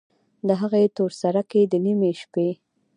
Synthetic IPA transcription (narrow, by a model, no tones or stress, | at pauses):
d̪əɦaɣet̪oɾsaɾaked̪ənimeʃpe